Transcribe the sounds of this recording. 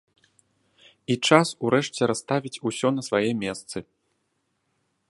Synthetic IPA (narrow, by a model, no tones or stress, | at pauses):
it͡ʂasuɾɛʂt͡sʲɛɾast̪avʲit͡sʲusʲɔnɐsvajɛmʲɛst̪sɨ